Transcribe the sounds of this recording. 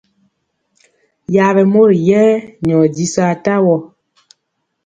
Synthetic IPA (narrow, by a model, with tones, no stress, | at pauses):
ja˨βɛ˨mo˦ɾjɛː˦ɲɔ˨di˦sɔ˦a˨ta˦wɔ˨